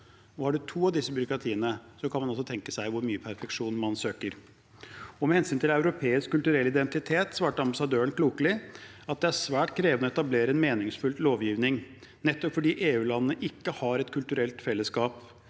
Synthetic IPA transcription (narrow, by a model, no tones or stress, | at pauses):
ɔhɑɖʉt̪ʰuːɑʋd̪ɪsːəbʏɾʊkɾɑt̪ʰiːənəsɔkʰɑnmɑnɑls̬ɔt̪ʰɛŋkəsæɪʋʊɾmyːəpʰæɾfɛkʂuːnmɑnsøːkəɾ | ɔmɛhɛnsyːnt̪ʰɪlɑʉɾʊpʰeːɪskkːʉlt̪ʉɾɛlːɪd̪ɛnt̪ɪt̪ʰeːt̪sʋɑːʈəɑmbɑsɑd̪øːəɳkʰluːkəlɪɑt̪̚d̪ɛæʂʋæːʈkʰɾeːʋənɔɛt̪ɑbleːɾəɛnmeːnɪŋsfʉlloːʋjiːʋnɪŋ | nɛt̪ːɔpfɔɖiːʔeːʉːlɑnəːəʔɪkːəhɑɾɛt̪kʰʉlt̪ʉɾɛlt̪fɛlːəskɑːp